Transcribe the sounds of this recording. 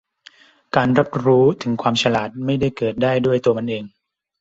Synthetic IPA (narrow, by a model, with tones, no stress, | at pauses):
kaː˧nɾa˦˥p̚ɾuː˦˥t̪ʰɯ˩˦ŋkʰwaː˧mt͡ɕʰa˧laː˨˩t̪̚ma˥˩jda˥˩jkɤː˨˩t̪̚daː˥˩jdu˥˩əjt̪u˧ɐma˧nʔeː˧ŋ